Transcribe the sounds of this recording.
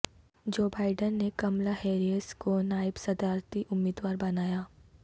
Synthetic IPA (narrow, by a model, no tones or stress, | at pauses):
d͡ʒoːbaːɪɖənːekɐmlaheːɾiəskonaːɪbsɐd̪aːɾt̪iʔʊmːɪːd̪waːɾbɐnaːjaː